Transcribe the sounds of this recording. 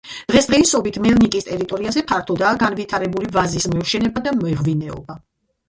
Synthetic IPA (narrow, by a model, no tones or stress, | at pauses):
d̪̥ʁɛsd̪ʁɛisɔbit̪ʰmɛlnikʼist̪ʼɛɾit̪ʼɔɾiazɛpʰaɾt̪ʰɔd̪aːɡanvit̪ʰaɾɛbulivazismɛvʃɛnɛbad̪amɛvvinɛɔ̰ba